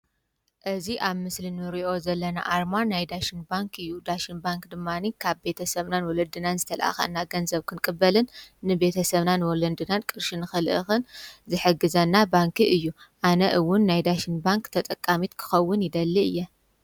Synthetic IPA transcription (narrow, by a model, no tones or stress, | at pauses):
ʔɨziʔaβmɨslinɨɾiʔo̞zɐlːɐna̰ʔaɾmanajd̪aʃinbaŋkʰɨjːud̪aʃinbaŋkd̪ɨmːanikʰaβbe̞t̪ʰɐsɐβnanwɔlɐd̪ɨnanzɨt̪ʰɐl̰ʔa̰xɐ̰nːaɡɐnzɐβkʰɨnkʼɨbːɐlɨnːɨbe̞t̪ʰɐsɐβnanwɔlɐnd̪ɨnankʼɨɾʃɨnɨxɨlʔɨxɨnzɨħɨɡɨzɐnːabaŋkʰiʔɨjːuʔanɐʔɨwʊnːajd̪aʃinbaŋkt̪ʰɐt̪ʼɐkʼːamit̪kʰɨ̥xɐwːʊnjɪd̪ɐlːiɨ̰jːɛ